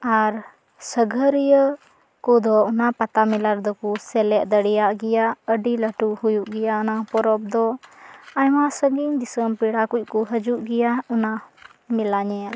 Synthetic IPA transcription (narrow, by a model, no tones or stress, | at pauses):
aɾ | səɡʱəɾijə | kud̪ɔɔnapat̪amilaɾd̪ɔkusɛlɛʔd̪əɽɛjaʔɡɛjaəɖiləʈuhujuʔɡɛjaɔnapɔɾɔb̚d̪ɔ | ajmasəɡiɲd̪isəmpiɽakuc̚ˀkuɦəd͡ʒuʔɡɛjaɔna | milaɲɛjal